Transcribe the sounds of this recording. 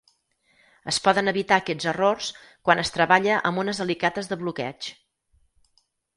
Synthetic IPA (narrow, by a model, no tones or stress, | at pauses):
əspɔðənəβit̪aːkɛd͡zərorskwanəst̪ɾəβaʎəʔə̰munəzəlikat̪əzðəβlukɛ̰t͡ʃ